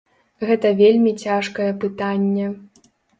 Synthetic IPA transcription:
ɣɛt̪ɐvʲelʲmʲit͡sʲaʂkɐjɛpɨt̪anʲːɛ

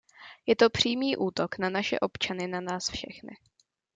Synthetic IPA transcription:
jɛt̪o̞pr̝̥iːmiːʔuːt̪o̞knanaʃɛ̰ʔo̞pt͡ʃanɪnanaːsfʃɛxnɪ̰

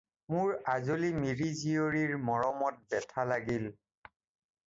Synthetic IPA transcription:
mʊɹazolimiɹizijoɹiɹmɔɹɔmɔt̚bɛtʰalaɡil

